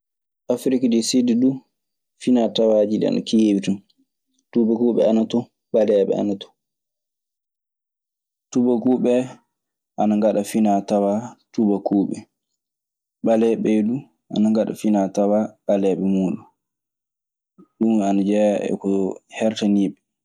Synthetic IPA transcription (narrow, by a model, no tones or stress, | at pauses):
ʔafɾikadɛsididu | finatawaːd͡ʒidɛ̰a̰na̰kijebitum | tubakuːɓɛ̰anatɔ | ɓalɛɓɛ̰a̰natɔ̥ | tubakuːɓɛ | ʔanaŋɡaɗafinatawatubakuːɓɛ | ɓalɛɓɛdu | ʔa̰naŋɡaɗa̰finatawaɓalɛɓɛmuːɗu | ɗumanad͡ʒɛɛ̰kɔhɛɾtaniːɓɛ